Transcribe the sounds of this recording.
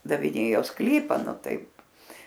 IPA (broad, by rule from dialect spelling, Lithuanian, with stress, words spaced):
dɐʋʲɪˈnʲeːjoː ˈsklʲiːpɐ ˈnʊ ˈtɐɪp